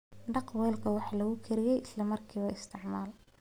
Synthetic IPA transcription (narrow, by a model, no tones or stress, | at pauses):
ɖɑqwɛːlkʰɐwɑħlɐɣʊkʰɛɾɪjɛjʔɪslɐmɐrkʰiːβɐɪst̪ʰɪʕmaːl